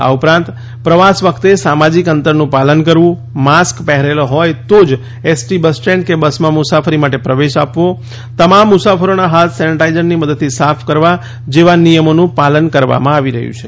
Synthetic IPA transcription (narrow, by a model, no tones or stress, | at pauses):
a̰upɾãnt̪ | pɾəʋasʋəkʰt̪esamad͡ʒikənt̪əɾnũpalənkəɾʋũ | maskpɛɦɾeloɦɔjt̪od͡ʒ | esʈibəsʈɾẽɳʈkebəsmãmʊsafʰəɾimaʈepɾəʋeʃapʋo | t̪əmamːusafʰəɾonaɦat̪sɛniʈajd͡ʒənniməd̪əd̪̚t̪ʰːisapʰkəɾʋa | d͡ʒeʋanijəmonũpalənkəɾʋa̰mãaʋiɾə̰ɦjṵ̃t͡ʃʰe